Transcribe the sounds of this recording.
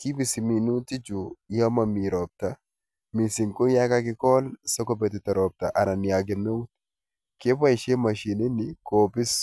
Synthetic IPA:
ki˦bɪ˨sɪ˨mi˨nu˦t̪ɪ˦d͡ʒu˨jo˦mɐ˨mːi˨ɾoː˨b̚t̪ɐ | mi˨sɪ˨ŋkʊ˦nja˦ka˦kɪ˦koː˦lsɔ˦kɔ˦bɛ˨t̪ɪ˨t̪ɐ˨ɾɔː˨b̚t̪ɐ˨ʔɐ˨nɐ˨nːɪ˨a˨ɡɛ˨nːo˦wt̪ | ke˦fɐ˦ʃe˦mɐ˨ʃi˨nɪ˦nːɪkoː˨bɪ˦s

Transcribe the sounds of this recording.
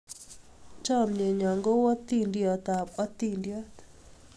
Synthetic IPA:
t͡ʃɔ˦mɲe˨ɲɔ˨ŋɡo˦wɔ˦t̪i˦˨ndjɔ˨t̪a˨pɔ˦t̪ːi˦ndjɔ˦t̪

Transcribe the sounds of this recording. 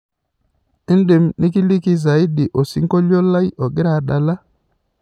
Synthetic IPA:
ɪ˦n˦dɪ˨mni˦ki˦li˦ki˦za˨i˦di˨ʔo˨si˦ŋ˦ko˦lo˦la˦jʔɔ˨ɡɪ˦ɾa˨ɗa˨la˦

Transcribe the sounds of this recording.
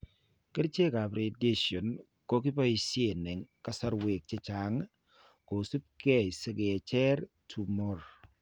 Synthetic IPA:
ke˦ɾt͡ʃe˦ka˨pɾe˨de˦ʃo˨n | ko˦ki˦pɔ˦i˦˨si˦e˨nɛ˨ŋka˦sa˦ɾwe˨k̚t͡ʃe˦t͡ʃa˨ŋ | ko˨su˦p̚ke˦˨se˦ɡe˨t͡ʃɛ˦ɾ | tʰu˨mɔ˦˨ɾ

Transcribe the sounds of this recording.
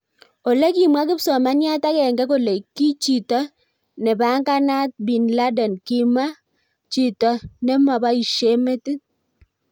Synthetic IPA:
o˨le˦ki˨mwa˦k̬ɪ˦psɔ˨ma˦ɲ˦a˦ta˦kɛ˨ŋɡɛ˦ko˦˨le˨ki˦t͡ʃi˨tɔ˦ | nɛ˨ba˦ŋɡa˦na˦t̚bi˨nla˦dɛ˨nki˦ma˦ | t͡ʃi˦˨tɔ˨nɛ˦ma˨ba˦i˨ʃe˦me˦ti˦

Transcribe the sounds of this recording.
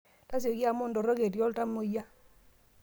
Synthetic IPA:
ta˦s̬jo˨ki˦a˦˨mo˦ndɔ˨ɾɔ˦ke˨t̬jɔ˦lta˦mo˨ja˦

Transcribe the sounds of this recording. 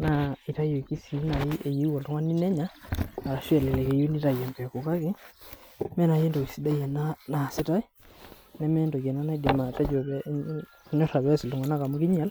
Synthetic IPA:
na˨i˨ta˦jo˨ki˦si˨ju˦na˨ji˦ʔe˨ji˦wɔ˨ltu˦ŋwa˦ni˦nɛ˦ɲaː˦˨ɾa˨ʃɛ˦˨lɛ˨lɛ˨ke˨ju˦ni˦ta˨ja˨mbɛ˨ku˨ka˦kɪ˦ | mɛ˦na˨je˦ndo˨ki˨si˦da˦ja˨na˦na˨sɪ˦ta˦ | nɛ˦mɛ˦ndo˨kɛ˨na˦na˦i˦di˨ma˨tɛ˦d͡ʒo˨βɛ˦ | ɲɔ˦ɾa˨βɛ˦si˨ltu˨ŋa˨na˦˨ka˨mu˦ki˦ɲ˦a˨l

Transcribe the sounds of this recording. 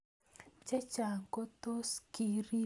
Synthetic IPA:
t͡ʃɛ˦t͡ʃa˨ko˦t̪o˦ski˨ɾi˦

